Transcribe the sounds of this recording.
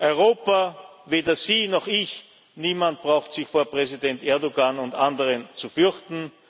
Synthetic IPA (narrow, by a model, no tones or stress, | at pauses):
ʔɔʏʁoːpaveːdɐziːnɔχɪç | niːmant̚b̥ʁaʊxtsɪçfoːɐpʁɛzidɛntʔɛɐdoɡanʊntandəʁənt͡sufʏɐçtn̩